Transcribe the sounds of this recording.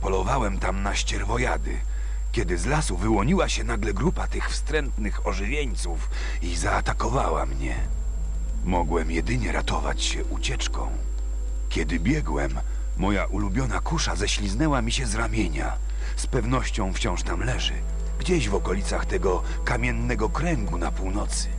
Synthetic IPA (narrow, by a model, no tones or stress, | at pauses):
pɔlɔvawɛmt̪amnaɕt͡ɕɛɾvɔjad̪ɘ̰ | kʲɛd̪ɘzlasuvɘwɔɲiwaɕɛnaɡlɛɡɾupat̪ɘxfst̪ɾɛnt̪nɘxɔʐɘvʲjeɲt̪suf | izaːt̪akɔvawa̰mɲɛ | mɔɡwɛmjɛd̪ɘɲɛɾat̪ɔva̰t͡ɕɕɛʔut͡ɕɛt͡ʂkɔ̰̃w̃ | kʲɛd̪ɘbʲjɛɡwɛmː | ɔjaʔulubʲjɔnakuʂazɛɕlʲiznɛwamʲiɕɛzɾamʲjeɲa | spɛvn̪ɔɕt͡ɕɔ̃w̃ft͡ɕɔ̃w̃ʂt̪amlɛʐɘ̰ | ɡd͡ʑeʑvɔkɔlʲit̪saxt̪ɛɡɔ | kamʲjɛnːɛɡɔkɾɛŋɡunapuwnɔt̪sɘ̥